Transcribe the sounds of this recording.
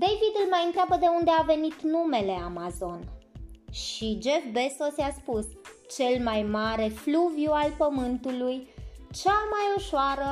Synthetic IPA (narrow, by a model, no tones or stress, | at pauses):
d̪e̞jvid̪ɨlmajɨnt̪ɾeabəd̪e̞und̪e̞ave̞nit̪nume̞le̞amazo̞nʃid͡ʒe̞fbe̞so̞sjaspus | t͡ʃe̞lmajmaɾe̞fluvjualpəmɨnt̪ulujt͡ʃamajoʃaɾə